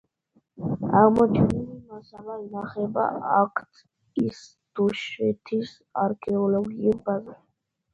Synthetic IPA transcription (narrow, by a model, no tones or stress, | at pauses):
aʁmɔt͡ʃʰɛnilimasalainaχɛba̰akʰt̪ʰ | is | d̪̥uʃɛt̪ʰis | aɾkʰɛɔlɔɡiuɾbazaʃ